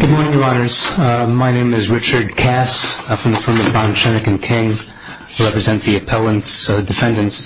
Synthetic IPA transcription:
ɡ̥ʊd̚mɔɹnɪ̃ŋjə˞ɑɾə˞z̥maɪnẽɪ̃mɨzɹɪt͡ʃə˞d̚kʰæsfɹʌ̃mðɨfɪ̃˞mʌvbɑ̃nt͡ʃɛnɨkɨ̃nkʰɪ̃ŋ | ɹɛpɹɨzɛ̃nðiɨpʰɛlˠə̃ntsdɨfɛ̃ndɨ̃nts

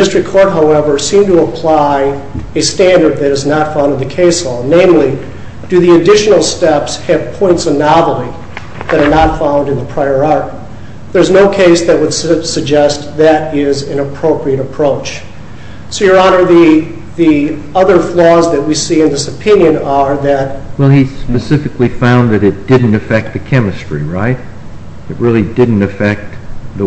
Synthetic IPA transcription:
mɨstɹ̥ikʰɔɹt̚ɦaʊɛvə˞sĩmtʰəəpʰl̥aɪɨstæ̃ndə˞d̪̚ðɨɾɨznətfãʊ̃ndɨnðɨkʰeɪsɔlˠnẽɪ̃mli | d̥ɨðiɨdɪʃɨn̩l̩ˠstɛpsɨv̥pʰɔ̃ɪ̃ntsənɑvl̩ˠi | ðɨɾə˞nətfãʊ̃ndɨ̃nðəpʰɹ̥aɪə˞ɑɹt̚ | ðə˞znoʊkʰeɪsðɨt̚wəd̥ssɨɡ̚d͡ʒɛst̪̚ðɨɾɪzɨ̃nɨpʰɹ̥oʊpʰɹiɨɾɨpʰɹ̥oʊt͡ʃ | soʊjə˞ɑnə˞ði | ðiʌðə˞flɔzðɨt̚wisiɨ̃nðɪsɨpʰɪ̃njɨ̃nə˞ðɨt̚wɛlˠispɨsɪfɨklifãʊ̃nðɨɾɨt̚d̥ɪdⁿn̩tɨfɛk̚t̪̚ðɨkʰɛmɨstɹ̥iɹaɪɾ̚ | ɨt̚ɹɪlˠidɪdⁿn̩tɨfɛk̚t̪̚ðə

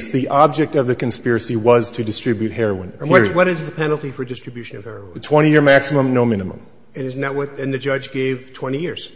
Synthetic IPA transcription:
sðiʔɑb̚d͡ʒɛk̚tʌvðɨkɨ̃n̩spɪɹɨsiwʌz̥tʰɨdɨstɹ̥ɪbjʉt̚hɛɹoʊə̃ñwwʌɾɨzðɨpʰɛnl̩ˠtifə˞dɪstɹ̥ɨbjʉʃɨ̃nʌv̥hɛɹoʊ̃tʰw̥ɛ̃ɾ̃ijɪɹmæksəmə̃mnoʊmɪ̃ñɨmə̰̃m | ɨ̃nɨznɨt̚wʌtɨ̃nðɨd͡ʒʌd͡ʒɡeɪv̥tʰw̥ɛ̃ɾ̃ijɪɹz̥

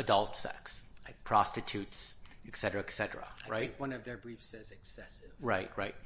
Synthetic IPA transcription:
ɨdʌlˠtsɛ̰ksaɪpʰɹ̥ɑstɨtʰʉtsɨksɛɾə˞ɨɨksɛɾə˞ə̰aɹa̰ɪɪ̃ŋt̚kwʌ̃nʌvðə˞bɹifsɛzɨksɛsɪv̥ɹaɪt̚ɹaɪt̚

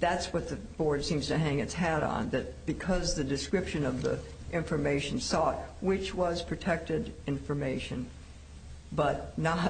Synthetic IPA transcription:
ðætswʌt̪̚ðɨb̥ɔɹd̥sĩmz̥tɨɦæ̃ŋɨtshæɾn̩ðɨt̚b̥ɨkʰʌzðɨdɨskɹɪpʃɨ̃nʌvðḭ | ʔɪ̃ɱfə˞meɪʃɨ̃n̩sɔt̚wɪt͡ʃwʌz̥pʰɹ̥ɨtʰɛk̚tɨɾɪ̃ɱfə˞meɪʃɨ̃n | bʌt̚ⁿnə

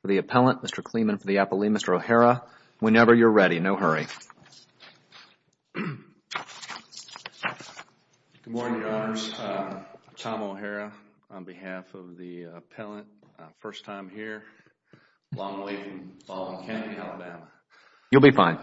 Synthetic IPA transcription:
fə˞ðiɨpʰɛlˠə̃nmɪstə˞kʰl̥ĩmɨ̃nfə˞ðiæpəlˠimɪstə˞oʊhɛɹə | wə̃nɛvə˞jə˞ɹɛɾinoʊɦɜ˞i | ɡ̥ʊd̚mɔɹñŋjə˞ɑnə˞z̥ | tʰɑ̃moʊɦɛɹɨ | ə̃nbɨhæfʌvðiəpʰɛlˠə̃nt̚fɜ˞stʰãɪ̃mhiɹ | lʔɔ̃ŋweɪfɹʌ̃mfɑl̃ˠnkʰæ̃niælˠəbæmə | jɨlˠbifãɪ̃n

